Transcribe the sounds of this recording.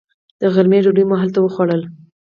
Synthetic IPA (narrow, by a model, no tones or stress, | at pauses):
d̪̥əɣaɾmeɖoɖujmoɦalt̪awəxwaɽəl